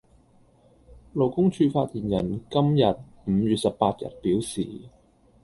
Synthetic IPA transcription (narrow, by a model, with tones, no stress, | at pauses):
lo˨˩wkʊ˥ŋt͡ʃʰyː˧faː˧t̚t̪iː˨˩njɐ˨˩nkɐ˥mjɐ˨t̚ | m̩˨˧jyː˨t̚sɐ˨p̚paː˧t̚jɐ̰˨˩t̚piː˨˥wsḭː˨˩